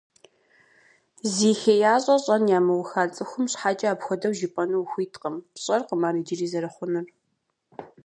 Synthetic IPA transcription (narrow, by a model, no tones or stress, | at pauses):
ziːxejaːɕʼɐɕʼɐnjaːmɨwʊxaːt͡sʼɨxʷʊmɕħaːt͡ʃʼɐaːpxʷɔdɐwʒɪpʼɐnɨwxʷiːtʰʼqəmɕʼɐrqəmaːɾiːd͡ʒɪriːzɐɾɐχʷʊnɨr